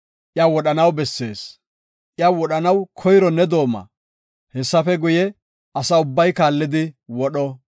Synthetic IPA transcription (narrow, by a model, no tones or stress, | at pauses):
ʔjɐwɔɗɐnɐwbɛsːe̞ːs | ʔɪjɐwɔɗɐnɐwkʰɔjɾɔnɛd̪o̞ːmɐ̰ | hɛsːɐfɛɡʊjɛ | ʔɐsɐʊbːɐjkaːlːɪd̪ɪwɔɗɔ